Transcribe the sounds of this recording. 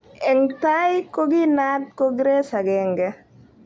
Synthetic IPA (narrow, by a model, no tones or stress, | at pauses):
ɛŋtajkoɡinat̚koɡɾesaɡɛŋɡɛ